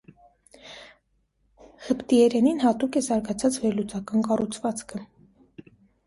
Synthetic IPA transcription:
həpt̪iɛɾɛninhɑt̪ukɛzɑɾɡɑt͡sʰɑt͡svɛɾlut͡sɑkɑnkɑrut͡sʰvɑt͡skʰə

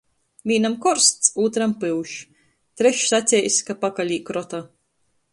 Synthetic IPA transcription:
mʲiːnamkɔɾst̪suːt̪ɾampɨwʃ | t̪ɾɛʃsat̪sʲɛjsʲkapakalʲiːkɾɔt̪aː

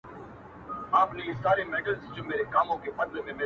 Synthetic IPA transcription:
aːpniɪsaːɾeːmeːɖəlzd͡ʒoːmeːɾekaːmõːkeːpəd̪lemẽːmeː

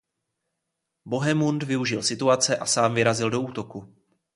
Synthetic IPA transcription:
bo̞ɦɛmund̪vɪuʒɪlsɪt̪uat͡sɛʔasaːmvɪɾazɪldo̞uːt̪o̞ku

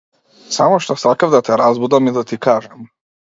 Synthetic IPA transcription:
samoʃt̪osakavd̪at̪ɛɾazbud̪amid̪at̪ikaːʒɛm

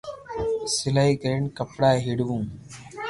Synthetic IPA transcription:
sɪlaːiːkəɾeːɳkəpɽaːɦɪɽʋũː

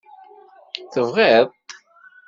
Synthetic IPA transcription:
θəvʁeðˤt

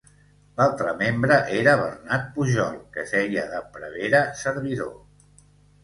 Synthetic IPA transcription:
lalˠt̪ɾəmembɾəʔeɾəβərnat̪̚puʒɔlˠkəzɛjəðəpɾəβeɾəsəɾβiðo̰

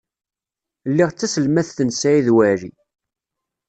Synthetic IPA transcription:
lːiʁt͡sːæsəlmæθθənsæiðwæɾḭ

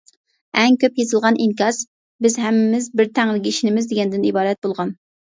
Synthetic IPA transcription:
ɛŋkʲøpjezɨlˠʁɑnʔiŋkʲɑs | bɪzɦɛmɪmɪzbɪɾt̪ʰæŋɾɪɡʲiiʃinɪmɪzd̪eɡʲɛnd̪ɪnibɑːɾɛt̪̚bolˠʁɑn

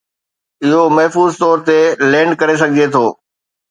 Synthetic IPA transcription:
ɪɦomɐɦfuːzt̪ɔːɾt̪elɛ̃ːɳɖ̚kɐɾes̬ɐɡʱiet̪ʰoː

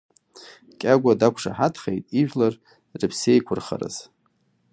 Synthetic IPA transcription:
kʲʼaɡʷadakʷʰʂa̰ħatʰχejtʼiʒᶣlar | rɨpʰsejkʷʰʊrχa̰ɾa̰z̥

